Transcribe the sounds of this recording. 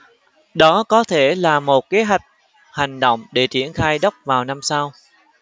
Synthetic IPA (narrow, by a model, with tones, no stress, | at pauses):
ɗɔ˨˦kɔ˨˦t̪ʰe˧˩laː˨˩mo˨˩t̚ke˨˦ɦwa˨˩jk̟̚ | ha˨˩jŋ̟ɗo̰˧˨wŋ͡mɗe˧˩t͡ɕḭ˧˩ənxaː˧jɗə˦˥wk͡p̚vaː˨˩wna˧msa˧w